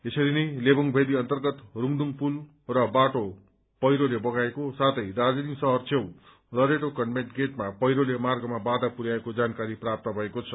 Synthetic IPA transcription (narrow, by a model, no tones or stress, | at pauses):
esʌɾinʌjlebʌŋbʱed̪iʌnt̪ʌrɡʌt̪ruŋd̪uŋpul | rʌbaʈo | pʌjɾolebʌɡaekosat̪ʰʌjd̪ad͡zinisʌɦʌrt͡sʰew | lʌɾeʈokʌnmeʈɡeʈmapʌjɾolemarɡʌmabad̪apuɾjaekod͡zankaɾiprap̚t̪ʌbʱʌekot͡sʰʌ